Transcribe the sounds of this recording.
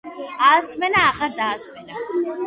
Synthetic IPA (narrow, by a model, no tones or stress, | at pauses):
aːsmɛnaːʁaɾd̪aːsmɛna